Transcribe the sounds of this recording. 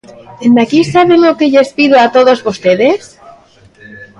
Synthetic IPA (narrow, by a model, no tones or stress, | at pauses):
end̪akisaβemokeʝespiðoat̪oðo̞zβost̪eðes